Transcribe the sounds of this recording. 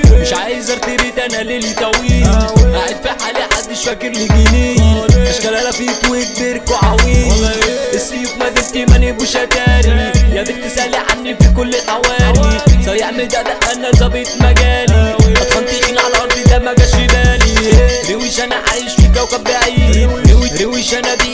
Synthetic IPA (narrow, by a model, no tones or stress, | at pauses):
mɪʃʕaːjezɑɾˤt̪iɾid̪ænʔælelit̪ˤæwiːliʔaʕed̪fiħaliħad̪ːɪʃfækːeɾliɡinejmɪʃkælælæfit̪wek̚b̪eɾkoʕawiːniʔesːiːfmæd̪et̪imænibuʃæk̪æːɾijæb̪et̪esæliʕa̰nːifikʊlːelħawæːlisˤɑeʕmeld̪æʔd̪æʔʔænːæzɑbeːt̪mæɡæːliʔæt̪xɑnt̪iʔinʕalæʔɑɾˤd̪ˤid̪æmæɡæʃeb̪æːliɾewiʃʔænæʕaːjeʃfikæwkæbːɪʕajːɾewiɾewiʃʔænæbi